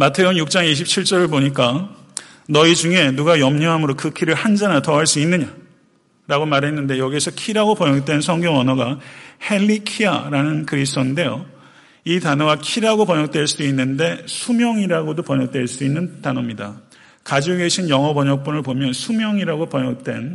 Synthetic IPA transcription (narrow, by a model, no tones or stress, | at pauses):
matʰe̞onjuk̚t͡ɕ͈aŋiɕ̬ʰip̚t͡ɕʰiɭt͡ɕ͈ʌɾɯɭpoɲik̬͈a | nʌid͡ʑuŋe̞nuɡajʌmɲʌɦamɯɾokɯkʰiɾɯɭhand͡ʑanatʌɦaɭs͈uinːɯɲa | ɾaɡomaɾɦe̞nːɯnde̞jʌɡiesʰʌkʰiɾaɡopʌɲʌk̚t͈we̞nsʰʌŋɡjʌŋwʌnʌɡahe̞ʎːikʰia̰ɾanɯnkɯɾis̬tʰoinde̞jo | itanʌɡakʰiɾaɡopʌɲʌk̚t͈we̞ɭs͈uduinːɯnde̞sʰumjʌŋiɾaɡodopʌɲʌk̚t͈we̞ɭs͈uinːɯntanʌmɲida | kad͡ʑoɡeɕʰinjʌŋɦʌpʌɲʌk̚p͈unɯɭpomjʌnsʰumjʌŋiɾaɡopʌɲʌk̚t͈we̞n